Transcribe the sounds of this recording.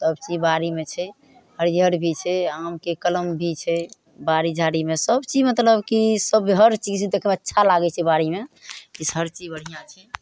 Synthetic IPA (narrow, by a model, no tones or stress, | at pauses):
səbt͡ʃibaɾimet͡ʃʰɛ | həɾiɦəɾbʱit͡ʃʰɛamkekələmbʱit͡ʃʰɛ | baɾid͡ʒʱaɽimesəbt͡ʃid͡ʒmət̪ləbkisəbɦəɾt͡ʃid͡ʒt͡ʃʰɛd̪ekʰɛmeətːʃʰalaɡɛt͡ʃʰɛbaɾimekisɦəɾt͡ʃid͡ʒbəɽ̤ijãt͡ʃʰɛ